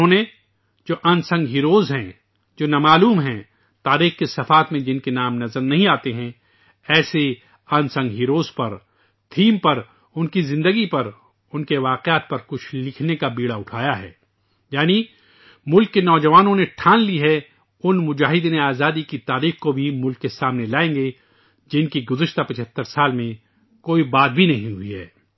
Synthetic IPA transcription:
ɦõne | d͡ʒoːʔɐ̃nsɐ̃ŋɡɦiːɾoːzɦɛ̃ | d͡ʒoːnamaːluːmɦɛ̃ | t̪aːɾiːxkesɐfaːt̪mẽd͡ʒɪnkenaːmnɐzəɾnɐɦĩaːt̪eɦɛ̃ | ɛːse | ɐ̃nsɐ̃ŋɡɦiːɾoːzpɐɾ | t̪ʰiːmpɐɾ | ʊnkizɪ̃nd̪əɡipɐɾ | ʊnkeʋaːqjaːt̪̚pɐɾkʊt͡ʃʰlɪkʰnekabiːɽaʊʈʰaːjaɦɛ̰ː | jaːni | mʊlkːenɔːd͡ʒɐʋaːnõneʈʰãːnliɦɛ | ʊnmʊd͡ʒaːɦɪd̪neaːzaːd̪ikit̪aːɾiːxkobʱimʊlkːesaːmnelaːẽːŋɡe | d͡ʒɪnkiɡʊzəʃt̪apɪt͡ʃʰət̪ːəɾsaːlmẽ | koːibaːt̪̚bʱinɐɦĩɦʊḭɦɛ̰ː

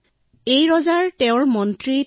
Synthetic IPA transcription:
ejɹɔzaɹtɛʊ̃ɹmɔntɹi

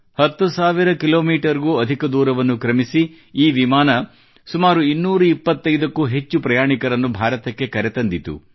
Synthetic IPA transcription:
hɐt̪ːusaːʋiɾɐkiloːmiːʈɐɾɡuːɐd̪ʱikɐd̪uːɾɐʋɐnːukɾɐmisi | iːʋimaːnɐ | sumaːɾuinːuːɾuipːɐt̪ːɐjd̪ɐkːuɦe̞t͡ʃːupɾɐjaːɳikɐɾɐnːubʱaːɾɐt̪ɐkːe̞kɐɾet̪ɐnd̪it̪ṵ

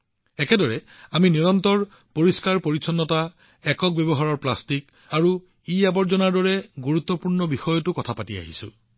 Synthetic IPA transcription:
ɛkɛdɔɹɛ | aminiɹɔntɔɹ | poɹiskaɹpoɹisʰɔnːɔta | ɛkɔk̚bɛbɔɦaɹɔɹplastik | aɹu | iabɔɹzɔnaɹdɔɹɛɡuɹut̪ːɔpuɹnɔbixɔjɔtʊkɔtʰapatia̰ɦḭsʊ̰

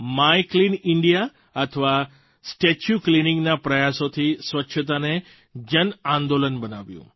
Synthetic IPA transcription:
maiklinɪɳɖija | ət̪ʰəʋa | sʈet͡ʃjuklinɪ̃ŋɡnapɾəjasot̪ʰisʋətːʃʰət̪̬ane | d͡ʒənãnd̪olənbənaʋjṵ̃

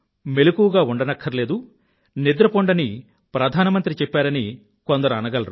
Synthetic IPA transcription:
me̞lukuʋɡaːuɳɖɐnɐkʰːɐɾle̞ːd̪u | nid̪ɾɐpoɳɖɐni | pɾɐd̪ʱaːnɐmɐnt̪ɾit͡ʃɛpːaːɾɐni | kond̪ɐɾuɐnɐɡɐlɐɾu

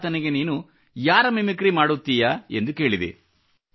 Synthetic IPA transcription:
t̪ɐniɡe̞niːnu | jaːɾɐmimikɾimaːɽut̪ːijae̞̰nd̪uke̞ːɭid̪ḭ

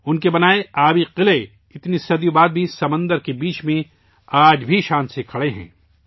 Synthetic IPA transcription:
ʊnkebɐnaːeaːbiqɪle | ɪt̪nisɐd̪jubaːd̪̚bʱisɐmə̃nd̪əɾkebiːt͡ʃmẽ | aːd͡ʒbʱiʃãːnt̪sekʰɐɽeɦɛ̰̃ː

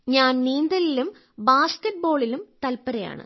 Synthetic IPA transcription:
ɲaːnniːnd̪ɐlilum | baːskɐʈ̚bo̞ːɭilumt̪ɐlpɐɾɐja̰ːɳɨ̰

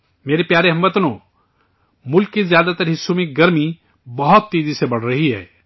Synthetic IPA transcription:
meːɾepjaːɾeɦɐ̃mʋət̪nõː | mʊlkːizjaːd̪at̪əɾɦɪsːumẽɡɐɾmi | bɐɦʊt̪ːiːd̪isebɐɽ̤ɾɐɦiɦɛ̰ː

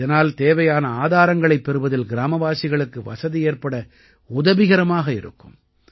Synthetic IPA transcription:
ðɐnaːlt̪eːʋɐjaːnɐaːðaːɾɐŋɡɐɭɐɪpːɛɾɯʋɐðɪlɡɪɾaːmɐʋaːsɪɣɐɭɯkːɯʋɐ̰sɐðieːrpɐɽɐ | ʊðɐʋɪɣɐɾɐmaːɣɐɪɾɯ̰kːɯm

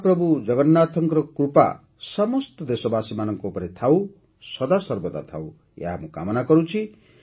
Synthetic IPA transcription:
prʌbud͡zʌɡʌnːat̪ʰʌŋkɾʌkɾupa̰ | sʌmʌst̪ʌd̪esɔbasimanʌŋkoupʌɾet̪ʰaw | sʌd̪asʌrbot̪a̰t̪ʰa̰w | ja̰ɦamuka̰mʌnakʌɾũt͡sʰi

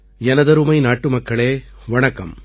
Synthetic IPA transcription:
ɛnɐðɐɾɯmɐɪnaːʈːɯmɐkːɐɭeːʋɐɳɐkːɐm

